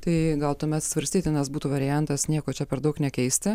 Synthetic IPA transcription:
t̪ɐɪɡɐlˠt̪uɔmʲɛt̪sʋɐɾʲsʲt̪ʲiːt̪ʲɪnɐsbuːt̪uːʋɐɾʲɪjænt̪ɐsnʲiɛkoːt͡ʃʲɛpʲɛɾd̪ɐʊknʲɛkʲɛɪsʲt̪ʲɪ

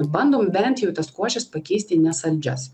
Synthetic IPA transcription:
bɐnd̪oːmbʲɛnʲt̪jɛʊt̪ɐskuɔʃʲɛspɐkʲɛɪsʲt̪ʲɪnʲɛsɐlʲd͡ʒʲɛs

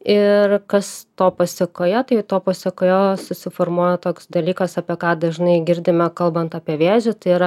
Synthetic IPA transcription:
ɪrkɐst̪oːpɐsʲɪkoːjɛt̪ɐɪt̪oːpɐsʲɛkoːjoːsʊsʲɪformuɔjɛt̪oːksd̪ɐlʲiːkɐsɑːpʲiɛkɑːd̪ɐʒʲnɐɪɡʲɪɾʲd̪ʲɪmʲɛkɐlˠbɐnt̪ɑːpʲiɛʋʲeːzʲʊt̪ɐɪiɾɐ

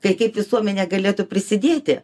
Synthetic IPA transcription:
kɐɪkɐɪpʋʲɪsuɔmʲɛnʲɛːɡɐlʲeːt̪upʲɾʲɪsʲɪd̪ʲeːt̪ʲɪ

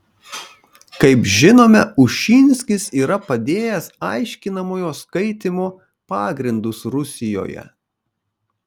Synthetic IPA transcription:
kɐɪpʒʲɪnoːmʲɛʊʃʲiːnʲsʲkʲɪsiːɾɐpɐd̪ʲeːjɛsɐɪʃʲkʲɪnɐmoːjoːskɐɪt̪ʲɪmoː | pɑːɡɾʲɪnd̪ʊsɾʊsʲɪjo̰ːjɛ̰

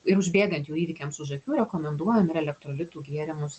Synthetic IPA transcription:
ɪɾʊʒʲbʲeːɡɐnt̪juːiːʋʲɪkʲɛmsʊʒɐkʲuːɾʲɛkoːmʲɛnd̪uɔjɛmɪɾɛlʲɛkt̪ɾoːlʲɪt̪uːɡʲiɛɾʲɪmʊs

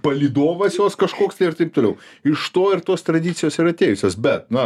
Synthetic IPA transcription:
pɐlʲiːd̪oːʋɐsjoːskɐʃkoːkst̪ɐɪɪrt̪ɐɪp̚t̪oːlʲɛʊɪʃt̪oːɪrt̪oːst̪ɾɐd̪ʲɪːt̪sʲɪjoːsɪɾɐt̪ʲeːjʊsʲoːsbʲɛt̪̚nɐ

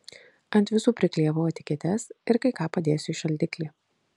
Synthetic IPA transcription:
ɐnʲt̪ʲʋʲɪsuːpʲɾʲɪkʲlʲeːʋʊɐt̪ʲɪ̥kʲeːt̪ʲɛsɪɾkɐɪkɑːpɐd̪ʲeːjsʲʊʃɐlʲd̪ʲɪklʲiː

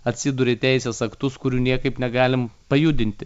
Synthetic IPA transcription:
ɐt̪ʲsʲɪd̪ʊɾʲet̪ʲɛɪsʲeːsɐkt̪ʊskʊɾʲuːnʲiɛkɐɪpnʲɛɡɑːlʲɪmpɐjuːd̪ʲɪnʲt̪ʲɪ

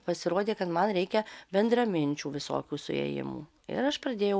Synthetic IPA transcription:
pɐsʲɪɾoːd̪ʲeːkɐt̪mɐnɾʲɛɪkʲɛbʲɛnd̪ɾɐmʲɪnʲt͡ʃʲuːʋʲɪso̰ːkʲuːsʊ̰ɛ̰jɪ̰mṵː | ɪ̰ɾɐʃpɾɐd̪ʲeːjɛʊ

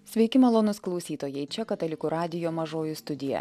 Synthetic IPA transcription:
sʲʋʲɛɪkʲɪmɐlˠoːnʊsklˠɒʊsʲiːt̪oːjɛɪt͡ʃʲɛkɐt̪ɐlʲɪkuɾɑːd̪ʲɪjoːmɐʒoːjust̪ʊd̪ʲɪjɛ̰

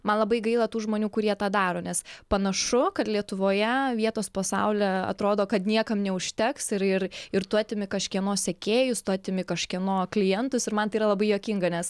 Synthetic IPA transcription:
mɐnlˠɐbɐɪɡɐɪlˠɐt̪uːʒmoːnʲuːkʊɾʲiɛt̪ɑːd̪ɑːɾoːnʲɛspɐnɐʃʊkɐt̪lʲiɛt̪ʊʋoːjɛʋʲiɛt̪oːspɐsɑʊlʲɛɐ̰t̪ɾoːd̪oːkɐt̪nʲiɛkɐmnʲɛʊʃʲt̪ʲɛksɪɾɪɾɪɾt̪ʊɑːt̪ʲɪmʲɪkɐʃʲkʲiɛnoːssʲɛkʲeːjʊst̪ʊɑːt̪ʲɪmʲɪkɐʃʲkʲiɛnoːklʲɪjɛnt̪ʊsɪɾmɐnt̪ɐɪiːɾɐlˠɐbɐɪjoːkʲiŋɡɐnʲɛs

